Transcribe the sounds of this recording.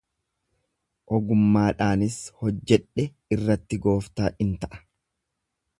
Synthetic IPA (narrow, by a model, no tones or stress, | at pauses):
ʔɔɡʊmːaːᶑaːnɪshɔd͡ʒːɛᶑːɛ | ɪrːɐt̪ːɪɡo̞ːft̪aːʔɪnt̪ɐʔɐ̥